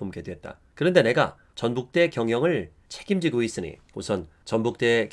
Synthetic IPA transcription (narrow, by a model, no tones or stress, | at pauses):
umkedwɦet̚t͈a̰ | kɯɾʌnde̞ne̞ɡa̰ | t͡ɕʌnbuk̚t͈e̞kjʌŋɦjʌŋɯɭ | t͡ɕʰeɡimd͡ʑiɡois͈ɯɲḭ | osʰʌnt͡ɕʌnbuk̚t͈e̞k